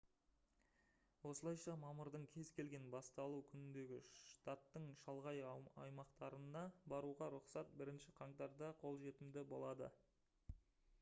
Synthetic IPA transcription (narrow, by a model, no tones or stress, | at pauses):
wo̞səlˠɑjʃɑmɑməɾd̪əɴkʲʰe̞zkʲʰe̞lɡʲe̞nbɑst̪ɑlˠukʲʰʏnɪnd̪e̞ɡʲɪʃt̪at̪ːəɴʃɑlˠʁɑjɑ̰jmɑqt̪ɑɾənɑbɑɾuʁɑɾʊqsɑt̪̚bɪɾɪnʃɪqʰɑɴt̪ɑɾd̪ɑqʰo̞lˠʒe̞t̪ɪmd̪ɪbo̞lˠɑd̪ə̰